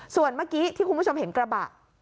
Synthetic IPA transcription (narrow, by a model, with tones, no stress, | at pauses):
su˨˩ənma˦˥˩kiː˦˥t̪ʰiː˥˩ku˧nbʰo˧mɦe˩˦nkɾa˧ba̰˨˩ʔ̚